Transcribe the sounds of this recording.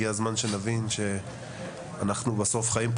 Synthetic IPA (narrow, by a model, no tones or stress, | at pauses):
iazmanʃenavinʃe̞ | anaχnubaso̞fχaimp